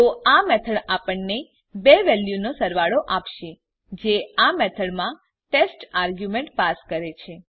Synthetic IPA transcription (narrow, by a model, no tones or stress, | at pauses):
t̪oamɛt̪ʰəɽapəɳne | beʋɛljunosəɾʋaɽoʔapʃe | d͡ʒeamet̪ʰəɽmã | ʈesʈaɾɡjumeɳʈpaskəɾet͡ʃʰe